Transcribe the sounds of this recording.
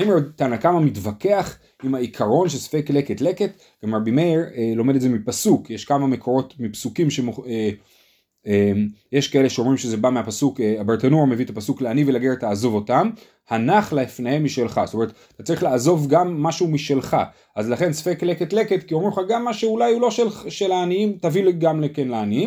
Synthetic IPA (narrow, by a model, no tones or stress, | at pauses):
aimat̪aːnakamamitvake̞aχ | imhaikʰaʁo̞nʃeso̥fekleketle̞ket̪ | ɡ̥amʁabimeʁelo̞medetdzemipasukjeʃkamame̞ko̞ʁo̞tmipsukimʃemoe | emjeʃkae̞leʃeo̞mʁimʃezebameapasukeabaʁtanoʁme̞vit̪apasukleanivelaɡeet̪aːzo̞vo̞tam | hanaχlaefnehemːiʃelχa̰sot̪oe̞ʁet̪ | t̪at͡saʁiχlaːzo̞vɡamːaʃumiʃelχa̰ | ʔazlaχe̞nso̥fekleket̪le̞ket̪kiomuχaɡamːaʃeulajulo̞ʃelʃelaːniimtavileɡamlekenleaniim